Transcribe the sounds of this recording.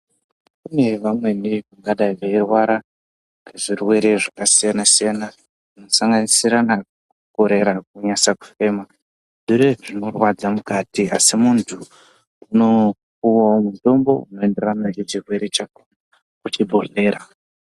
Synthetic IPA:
kune̞ʋamwe̞niʋaŋɡaɗaiʋeirwaɾa | reʐirwe̞ɾe̞ʐakasijanasijana | ʐino̞saŋɡanisiɾana | kuko̞ɾe̞ɾak̚uɲasaku̥fe̞ːma | ʐiɾeʐino̞rwad͡zamukatiasimuntʰu | uno̞ | kuwaomuto̞mbo̞̰uno̞e̞nde̞ranajet͡ʃirwe̞ɾe̞t͡ʃak | kut͡ʃibʱoɮe̞ːɾa

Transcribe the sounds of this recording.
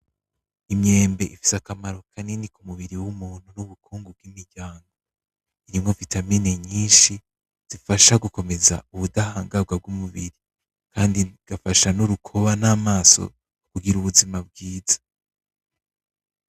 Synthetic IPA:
imɲe̞ːmbe̞ʔifi̥sakamaɾokʰaninikumuβiɾiwumuːn̥hunuβukʰuːŋɡub̚ɡimiɾɟaːŋɡo | iɾimŋovitamineɲiːnʃi | z̥ifaʃaɡuko̞me̞za̰uβudahaːŋɡab̚ɡwab̚ɡumuβiɾi | kʰaːndiɡ̥afaʃanuɾukʰo̞βanaːmaːso̰ | kuɡiɾuβuzimab̚ɡiːzḁ

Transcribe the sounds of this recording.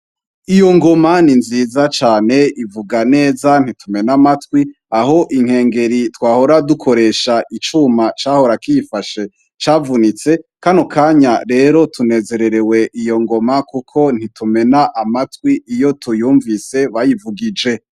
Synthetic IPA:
ijo̞ŋɡo̞maninziːzat͡ʃaːne̞ivuɡane̞ːzan̥itume̞namatwi | aɦo̞ʔiŋ̥he̞ːŋɡe̞ɾitwaːho̞ɾadukʰo̞ɾe̞ʃaʔit͡ʃumat͡ʃaːho̞ɾakifaʃe̞ | t͡ʃaːvunit͡se̞kanukʰaːɲaɾe̞ːɾo̞tʰune̞ːze̞ɾe̞ɾe̞we̞ʔijo̞ŋɡo̞makukʰo̞n̥itume̞naʔamatwiijo̞tujuːɱvise̞βajivuɡid͡ʒe̞

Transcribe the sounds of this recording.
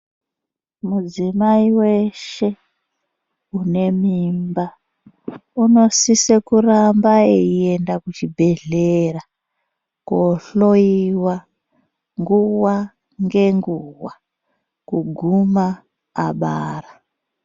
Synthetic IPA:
mud͡zimaiwe̞ʃe̞ | une̞mimba | uno̞sisekurambaeiendakut͡ʃibʱe̞ɮera | koɬo̞iwa | ŋɡuwa | ŋɡe̞ŋɡuwa | kuɡʱuma̰ː | ɓaːra

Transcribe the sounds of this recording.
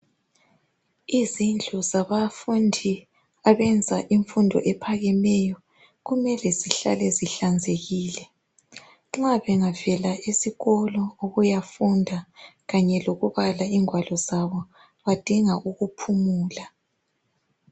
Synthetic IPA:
izind͡ɮʱɔzaβafundʱi | aβɛnd͡zʱaʔiɱfundʱɔ̰ʔɛpʰaɣɛmɛjɔ | ɣumɛlɛziɬa̰lɛziɬand͡zʱeɣiːlɛ | ŋ͡ǁaβɛŋavɛlaʔisiɣɔlɔoɣujafundʱaɣaɲɛloɣuβalaiŋʱwalɔzaβɔ | βad̥ʱiŋaʔuɣupʰumuːla

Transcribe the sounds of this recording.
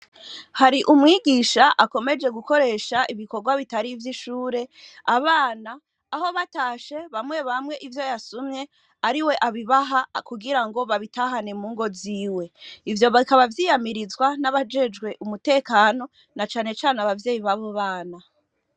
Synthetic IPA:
haɾiʔumŋiːɡiːʃaʔako̞me̞d͡ʒe̞ɡuko̞ɾe̞ːʃaʔiβiko̞ɾɡwaβitaɾivjiʃuːɾe̞aβaːnaː | ho̞βataːʃe̞βamŋwe̞βamŋe̞ʔivjo̞jasumɲe̞ | aɾiwe̞ʔaβiβaɦakuɡiɾaŋɡo̞βaβitaɦane̞muːŋɡo̞ziːwe̞ivjo̞βaikaβavjiːjamiɾizwanaβad͡ʒe̞d͡ʒɡwe̞ʔumute̞ːkaːno̞ | nat͡ʃaːne̞t͡ʃaːneaβavje̞ːjiβaβo̞βaːna

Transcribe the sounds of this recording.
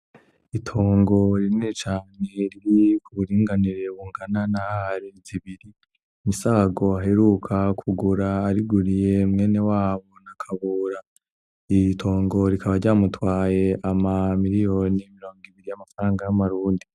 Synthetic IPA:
itʰoːŋɡo̞ɾinit͡ʃaːneɾiɾikʰuβuɾiːŋɡaniɾe̞βuːŋɡananahaɾiziβiɾi | misaɡo̞aɦe̞ɾukʰakʰuɡuɾaːɾiɡuɾije̞mŋe̞ne̞waːβo̞nakʰaβuːɾa | ijitʰo̞ːŋɡo̞ɾikʰaβaɾɟaːmutwaːje̞ʔamamiɾijo̞ːnimiɾo̞ːŋɡiβiɾijamafaɾaːŋɡajamaɾuːndi

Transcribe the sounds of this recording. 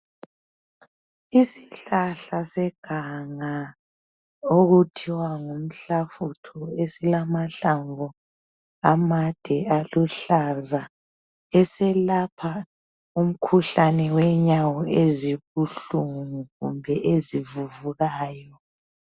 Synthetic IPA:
isiɬaɬasɛɡ̥ʱaŋa | oɣutʰiwaŋum̩ɬafutʰɔesilamaɬaɱvɔ | amad̥ʱɛaluɬaza | ɛsɛlapʰa | um̩kʰuɬanɛwɛɲawɔeziβuɬuŋuɣumbʱɛʔezivuvuɣaːjɔ

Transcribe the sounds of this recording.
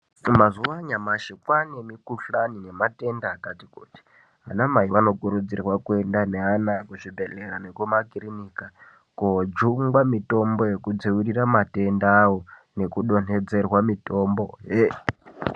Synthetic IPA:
mazuaɲamaʃekwanemikuɬanine̞mate̞ndaːkati̥kuti̥ | ɦa̰namaiʋano̞ɡuɾud͡zirwakwendaneanakuʐibʱeleɾanekumakiɾinika | kod͡ʒuŋɡwamito̞mbo̞jekud͡ziwiɾiramate̞ndawone̞kuɗo̞n̥ed͡ze̞rwamito̞mboɦe

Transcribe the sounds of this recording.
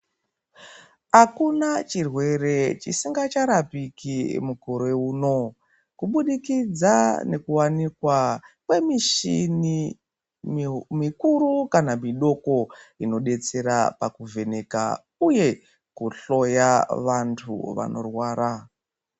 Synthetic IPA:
akunat͡ʃirwe̞re̞t͡ʃisiŋɡat͡ʃaɾapikimukoɾe̞uːno̞ | kuɓuɗikid͡zane̞kuwanikwakwe̞miʃin | mikuɾukanamiɗo̞ko̞ino̞ɗe̞t͡se̞ɾa̰pakuvʱe̞ne̞ka̰ | uje̞ | kuɬo̞jaʋantʰṵʋa̰no̞̰rwaːɾa

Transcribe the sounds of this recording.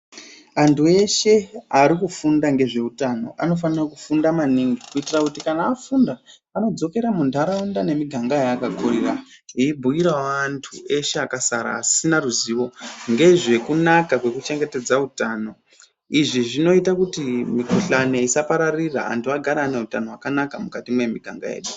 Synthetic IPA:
antʰue̞ʃe̞aɾikufundaŋɡe̞ʐe̞utano̞̰ʔano̞fanirakufundamaniŋɡikuitirakutikanaːfundaː | no̞d͡zo̞ke̞ɾamuntaɾaundane̞miɡʱaŋɡajaːkakʰuɾira | ibʱuiɾawantʰue̞ʃe̞akasaɾa̰ːsinaruziːʋo̞ŋɡe̞ʐe̞kunakakwe̞kut͡ʃe̞ŋɡe̞te̞d͡zautano̞ | iʐiʐino̞itakutimikuɬane̞isapaɾariraa̰ntʰuaɡʱaɾaːneutano̞ɦwakanakamukatimwe̞miɡʱa̰ŋɡa̰jḛɗu

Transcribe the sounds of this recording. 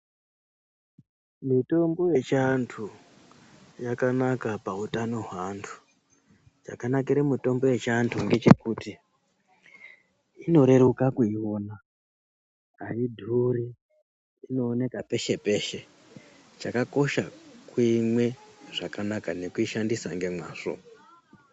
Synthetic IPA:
mito̞mbo̞je̞t͡ʃantʰu | jakanakapautano̞ɦwantʰu̥ | t͡ʃa̰kanakiɾemito̞mbo̞je̞t͡ʃantʰuŋɡe̞t͡ʃe̞kuːti | ino̞ɾe̞ɾukakuio̞na | ɦaidʱuɾiː | no̞ːne̞kape̞ʃe̞pe̞ʃe̞ | t͡ʃakako̞ʃakwimwe̞ʐakanakane̞kuiʃandisaŋɡe̞mwaːʂo̰

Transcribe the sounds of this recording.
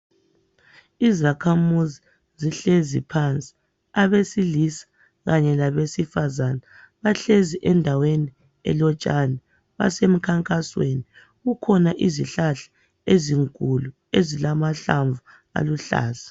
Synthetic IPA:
izakʰamuzi | ziɬezipʰant͡sʼi̥ | aβesilisḁ | ɣaɲɛlaβesifazana | βaɬeziʔɛndʱaweni | ɛ̰lɔt͡ʃʼanɛ | βa̰sem̩kʰaŋkʼasweni | ɣukʰɔnaʔiziɬaɬḁ | eziŋkʼulu | ezilamaɬaɱvu | a̰luɬa̰ːzḁ

